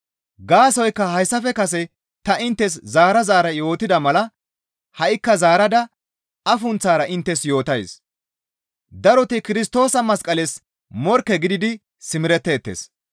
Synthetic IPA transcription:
ɡaːsɔjkːɐɦɐjsːɐfɛkɐs̬ɛ | t̪ɐʔɪnt̪ːɛs̬zaːɾɐzaːɾɐjo̞ːt̪ɪd̪ɐmɐlɐ | hɐʔɪkːɐzaːɾɐd̪ɐ | ɐfʊnt͡sːaːɾɐʔɪnt̪ːɛsjo̞ːt̪ɐjs | d̪ɐɾɔt̪ɪkɪɾɪst̪o̞ːsɐmɐskʼɐles | mɔɾkːɛɡɪd̪ɪd̪ɪ | sɪmɪɾɛt̪ːe̞ːt̪ːḛːs

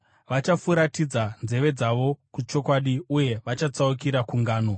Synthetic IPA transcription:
ʋat͡ʃafuɾatid͡zand͡zze̞ʋe̞d͡zaʋo̞kut͡ʃo̞kwaɗiuje̞ʋat͡ʃat͡saukiɾakuŋɡaːno̞

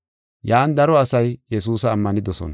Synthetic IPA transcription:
jaːnd̪ɐɾɔɐsɐjjɛs̬uːsɐːmːɐnɪd̪ɔsɔ̰nɐ

